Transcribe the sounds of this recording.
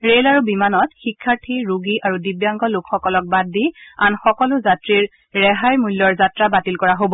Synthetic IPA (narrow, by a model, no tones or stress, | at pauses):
ɹelaɹubimanɔt̚xikʰːaɹtʰiɹuɡiʔaɹudibjaŋkɔlʊkxɔkɔlɔk̚badːianxɔkɔlʊzatɹiɹː | ɛɦajmulːɔɹzatɹabatilkɔɹaɦobɔ